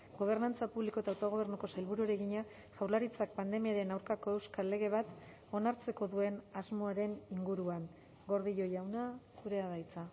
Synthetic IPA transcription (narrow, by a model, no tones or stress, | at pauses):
ɡo̞β̞e̞ɾnant͡sapuβliko̞et̪awt̪oɣ̞o̞β̞e̞ɾnuko̞salβuɾueɾe̞ɣiɲa | ʝawɾlaɾit͡sak̚pand̪e̞miaɾe̞nawɾkako̞e̞wskalːe̞ɣe̞β̞at̪ | o̞naɾt͡se̞ko̞ðue̞nazmo̞aɾe̞niŋɡuɾuaŋ | ɡo̞ɾðiʎo̞jawnasuɾe̞aðajt͡sa